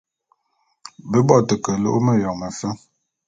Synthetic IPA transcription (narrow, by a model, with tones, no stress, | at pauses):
bə˦bɔ˦˨tə˨kə˨lo̰˦ʔmə˦jɔ˨ŋ̚mə˨fə˦